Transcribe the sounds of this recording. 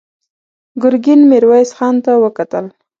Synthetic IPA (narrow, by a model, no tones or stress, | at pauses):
ɡʊɾɡɪnmɪɾwɑjsxɑnt̪awəkat̪əl